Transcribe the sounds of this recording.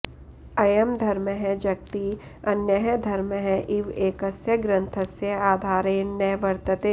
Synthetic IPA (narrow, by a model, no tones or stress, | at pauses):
ɐjɐmd̪ʱɐɾməɦɛ̃d͡ʒɐk̚t̪i | ɐnjɐɦəd̪ʱɐɾməɦɛ̃ʔɪʋeːkɐsjɐɡɾɐ̃nt̪ʰɐsjɐaːd̪ʱaːɾeːnɐjʋɐɾt̪ɐt̪eː